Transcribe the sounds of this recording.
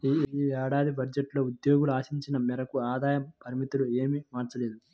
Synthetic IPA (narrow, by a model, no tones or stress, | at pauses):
ɛːɽaːd̪ibɐɾd͡ʒeʈlo̞ːud̪jo̞ːɡuluaːʃiɲt͡ʃinɐmɛɾɐkuaːd̪aːjɐpɐɾimit̪ulueːmimaːɾt͡ʃɐleːd̪u